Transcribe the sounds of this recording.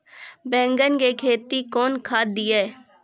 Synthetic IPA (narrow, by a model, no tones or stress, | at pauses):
bɛ̃ːŋɡənkekʰeːt̪ikɔːnkʰaːd̪ɪjeː